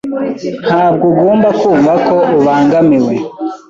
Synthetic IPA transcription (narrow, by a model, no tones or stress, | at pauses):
n̥haːbɡuɡoːmbakʰuːɱvakoʔuβaːŋɡamiwe